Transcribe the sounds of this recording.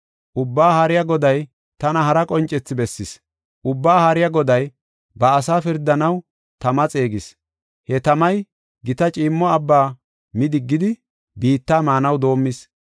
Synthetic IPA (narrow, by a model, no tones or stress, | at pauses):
ʔʊbːaːhɐɾɪjaɡɔd̪ɐj | t̪ɐnɐhɐɾɐkʼɔnt͡ʃʼːɛt͡sːɪbɛsːɪs | ʔʊbːaːhɐɾɪjaɡɔd̪ɐj | bɐːsaːfɪɾd̪ɐnɐw | t̪ɐmɐt͡sʼe̞ːɡɪs | hɛt̪ɐmɐj | ɡɪt̪ɐt͡ʃʼiːmːɔɐbːaː | mɪd̪ɪɡːɪd̪ɪ | biːt̪ːaːmaːnɐwd̪o̞ːmːɪs